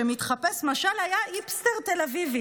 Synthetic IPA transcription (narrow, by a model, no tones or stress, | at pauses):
emit̪χapesmaʃalajaʔipst̪eʁt̪elavivi